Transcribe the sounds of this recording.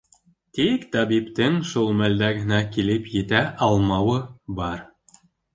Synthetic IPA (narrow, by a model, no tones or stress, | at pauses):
t̪ikt̪ɑβipt̪ɘŋʃulˠmæld̪æɡɘ̆nækilɘpjɘ̆t̪æʔɑlˠmɑwɤbɑɾ